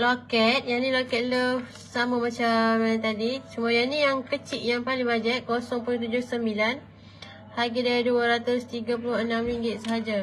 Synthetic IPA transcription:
lokɛt̪̚jaʔnĩlokɛt̪̚ləf | samamat͡ʃamt̪adisumuajanijaŋkət͡ʃiʔjaŋpalɪŋbad͡ʒəʔkːosɔŋpult̪ud͡ʒʊhsəmbilan | haɡədaaduaɾat̪ʊst̪iɡap̬ulʊhənamɾiŋɡɪt̪̚səɦad͡ʒa

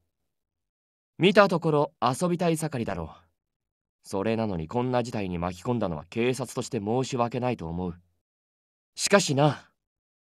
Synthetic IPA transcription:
mʲit̪at̪o̞ko̞ɾo̞aso̞bʲit̪aisakaɾʲid̪aɾo̞̰ː | so̞ɾe̞nano̞ɲ̟ikõ̞nːad͡ʑit̪aiɲ̟imakʲi̥kõ̞nd̪ano̞βa̰ke̞ːsat͡sɨ̥t̪o̞ɕi̥t̪e̞mo̞ːɕiβake̞nait̪o̞ːmo̞ɯ̟ | ɕi̥kaɕina

